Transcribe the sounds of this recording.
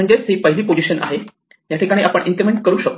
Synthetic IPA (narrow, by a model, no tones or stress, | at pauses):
əɳd͡zet͡sɦipəɦiliːpod͡ʑiɕənʔa̰ɦe | jat̪ʰikaɽiːʔapəɳʔinʈ̪iɾmeɳʈ̚kəɾuːɕək̚